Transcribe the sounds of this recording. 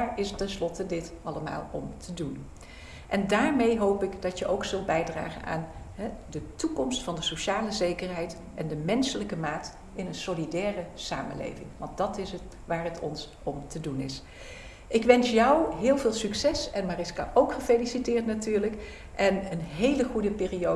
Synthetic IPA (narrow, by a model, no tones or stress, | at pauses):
aːɹɪstɛnslɔtədɪtɑləma̰ːlˠɔmtʰədun | ʔɛndaːɹmejɦowpɪkdɑcjəʔowksɵlˠt̚bɛjdra̰ːχə̰na̰ːnɦɛdətukɔmstfɑndəsowʃaːləzejkəɹɦɛjt | ʔɛndəmɛnsələkəmaːt | ɪnənsolidɛːrəsa̰ːmə̰nlḛjvɪ̰ŋʋɑntdɑtɪsət | ʋaːɹɦətɔ̰ns | ɔmtədunɪs | ʔɪkʋɛnsjʌwɦɪːlˠvɪːlˠsyksɛsɛnmaːrɪskaʔowkχəfejlisitɪːɹtnatyːɹlək | ʔɛnənɦejləχudəpɪːrio